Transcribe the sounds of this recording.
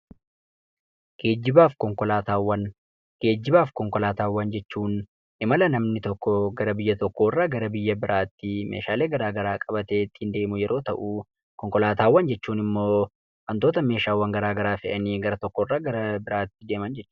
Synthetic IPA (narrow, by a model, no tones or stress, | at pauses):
ɡ̥e̞ːd͡ʒːɪbaːfkɔŋkɔlaːt̪aːwːɐn | ɡ̥e̞ːd͡ʒːɪbaːfkɔŋkɔlaːt̪aːwːɐnd͡ʒɛt͡ʃːuːn | ʔɪmɐlɐnɐmnɪt̪ɔkːɔɡɐɾɐbɪjːɐt̪ɔkːoːɪrːaːɡɐɾɐbɪjːɐbɪɾaːt̪ːɪmḛːʃaːle̞ːɡɐɾaːɡɐɾaːkʼɐbɐt̪e̞ːt̪ːɪ̥hɪnd̪e̞ːmʊjɛɾo̞ːt̪ɐʔu | kɔŋkɔlaːt̪aːwːɐnd͡ʒɛt͡ʃːuːnɪmːoː | kɐnt̪oːt̪ɐme̞ːʃaːwːɐŋɡɐɾaːɡɐɾaːfɪʔɐniːɡɐɾɐt̪ɔkːɔɪrːaːɡɐɾɐbɪɾaːt̪ːɪd̪e̞ːmɐnd͡ʒɛt͡ʃː